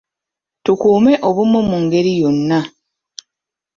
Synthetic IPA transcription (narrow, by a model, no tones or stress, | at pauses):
tukuːme̞ʔo̞βumːomuŋɡe̞ɾijonːa